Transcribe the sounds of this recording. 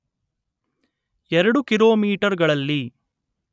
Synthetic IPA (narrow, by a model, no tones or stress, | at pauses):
ɛɾɐɽukiɾoːmiːʈɐɾɡɐɭɐlːi